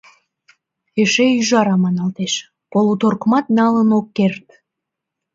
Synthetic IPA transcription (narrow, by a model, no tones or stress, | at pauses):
eʃeyʒɑɾɑmɑnɑlt̪eʃ | polut̪orkmɑt̪̚nɑlənokːert̪